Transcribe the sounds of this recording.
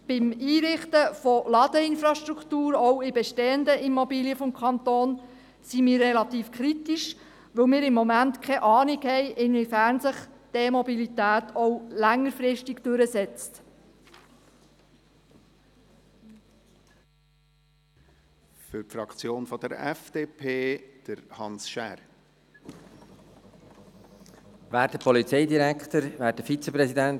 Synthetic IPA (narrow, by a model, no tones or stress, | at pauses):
b̥ɪmiːɾɪχt̪əfɔlɑd̪əɪnfɾɑʃtɾukʰt̪uːɾɔwɪbɛʃteːənd̪əʔimɔbiːliəfɔmkχɑnt̪oːn | simɪːrːɛlɑt̪iːfkʰɾitiʃ | ʋəwmɪːɾɪmːɔmæntkʰχɛʔɑːnikhɛjʔɪnvɪfæɾnsəχd̪̥emɔbilitæːt̪ɔwlæŋːəɾfɾɪʃtiɡd̥øɾəsɛt͡st | fʏɾpfɾɑkt͡sjoːnfɔd̥̪əɾɛ̰fd̥eːpʰeːd̥əɾhɑnsʃæːɾ | væːɾt̚dəpʰɔlit͡sɛɪdiɾækt̪əɾvæːɾt̚dəfit͡səpɾɛsidæn